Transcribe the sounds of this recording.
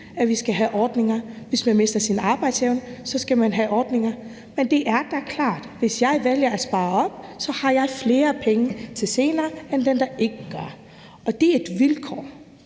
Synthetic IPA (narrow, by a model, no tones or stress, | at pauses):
æʋisɡ̥æɦæʔɒːd̥ne̝ŋɐʋe̝smænme̝sd̥ɐsinɑ̈ːb̥ɑ̈ɪd̥seʊnəsɒ̽sɡ̥æmænɦæʔɒːd̥ne̝ŋɐ | mend̥e̝ʔæɐd̥ækʰlɑ̰̈ːd̥ʋe̝sjɑ̈ɪʋeljɐæ̥sb̥ɑ̈ːɒ̽b̥̚sɒ̽hɑ̈jɑ̈ɪfle̝ːɐpʰeŋət͡sʰe̝lse̝ːnɐːend̥end̥ɑ̈ʔe̝ɡ̥əɡ̥ɶɐ | ɒ̽d̥e̝ɐe̝d̥ʋilkʰɒ̰ː